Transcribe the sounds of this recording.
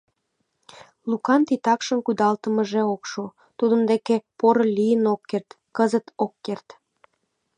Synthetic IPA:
lukɑnt̪it̪ɑkʃənkud̪ɑlt̪əmə̆ʒeokʃo | t̪ud̪ə̆md̪ekepoɾəlʲijənokːert̪ | kəzət̪okːert̪

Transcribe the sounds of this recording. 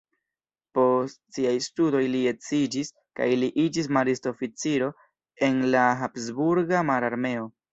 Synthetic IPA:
po̞stsiajstudo̞jliet͡sid͡ʒis | ka̰jliʔid͡ʒis̬maɾisto̞fit͡siɾo̞ | e̞nlaɦapsbuɾɡamaɾaɾme̞o̞

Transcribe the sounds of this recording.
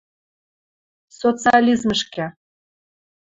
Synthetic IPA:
sot͡sɨɑlʲizməʃkæ

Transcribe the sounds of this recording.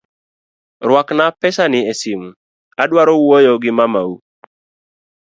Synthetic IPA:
ɾwaknapɛsanɪesimu | adwaɾɔwojoɡɪmamau

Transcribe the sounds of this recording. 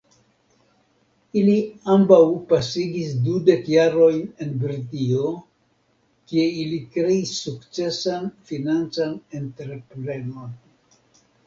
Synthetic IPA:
iliambawpasiɡisdude̞kjaɾo̞jne̞nbɾitio | kie̞ilikɾe̞isːukt͡se̞sanfinant͡sane̞ntɾe̞pɾe̞no̞n

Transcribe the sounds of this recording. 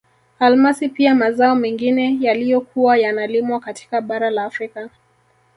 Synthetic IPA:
almasipiamazaɔmɛŋɡinɛjalijɔkuwajanalimwakati̥kaɓaɾalaːfɾika

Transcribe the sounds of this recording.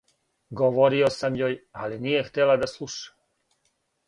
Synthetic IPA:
ɡoʋoɾiosamjoːjalinijext̪elad̪aslˠuʃḁ

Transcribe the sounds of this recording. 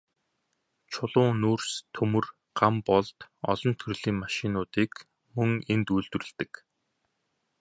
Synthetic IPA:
t͡ɕʰʊɮʊːnoːrst̪ʰɵmɵ̆r | ɢ̥ampɔɮt̪ɔ̰ɮɞ̆nt̪ʰɵrɮ̥iːŋmaʃɪnʊːt̪iːk | mɵŋent̪ujɮt̪ɵ̆rɘ̆ɮt̪ɘ̆k

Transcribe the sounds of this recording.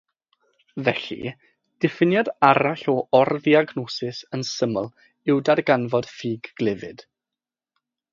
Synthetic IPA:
vɛɬḭ | d̥ɛfɪnjadaɾaɬɔɔrðiaɡnɔsɪsənsəməlˠ | ɪwdarɡanvɔd̥fiːɡ̥ːlɪvɪd̥

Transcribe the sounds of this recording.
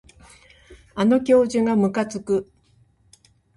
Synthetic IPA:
ano̞k̬ʲo̞ːʑɨŋɡamɯ̟kat͡sɨkɯ̟

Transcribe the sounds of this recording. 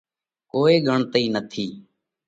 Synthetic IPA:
koːeːɡəɳt̪əiːnət̪ʰiː

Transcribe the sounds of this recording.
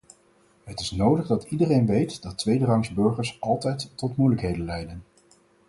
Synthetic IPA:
ɦətɪsnowdəχdɑtidərejnʋejtdɑtʋejdərɑŋsbɵɹχəɹsɑlˠtɛjtːɔtmujləkɦejdənlɛjdən

